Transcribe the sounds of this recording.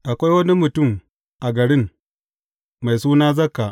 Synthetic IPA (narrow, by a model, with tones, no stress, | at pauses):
ʔa˨kʷa˦jwɐ˦ni˦mʊ˨tʊ˦˨m | ʔa˨ɡɐ˨ɽɪ˦ŋ | ma˨jsuː˦naː˦zɐ˦kːa˨ʔ